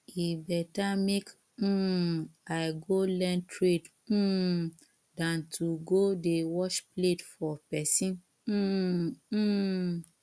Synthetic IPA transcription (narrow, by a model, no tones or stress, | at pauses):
ibɛtamek̩ː | aɪɡolɛ̃ntʰɹed̩ | dãntʰuɡodewɔʃpletfɔpɛsĩn̩